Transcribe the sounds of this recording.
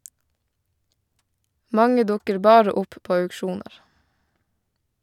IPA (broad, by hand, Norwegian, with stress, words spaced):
ˈmɑŋə ˈdʊkəɾ ˈbɑːɾə ˈʊp ˈpoː œʉkˈʃuːnəɾ